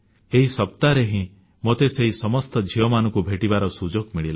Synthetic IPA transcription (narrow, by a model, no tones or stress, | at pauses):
eɦisɔpt̪aɾeɦĩ | mot̪eseɦisɔmɔst̪ɔd͡ʒʱiɔmanɔ̃ŋkubʱeʈibaɾɔsud͡ʒoɡmiɭil